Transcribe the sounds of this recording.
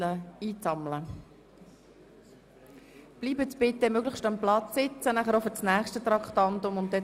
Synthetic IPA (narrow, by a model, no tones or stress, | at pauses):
ləiːt͡sɑmlə | b̥liːbət͡spɪt̪ːəmøɡləχʃtɑmplɑt͡ssɪt͡sənæχəɾofət͡snæːχʃtət̪ɾɑkχtɑnt̪ʊmʊntdɛ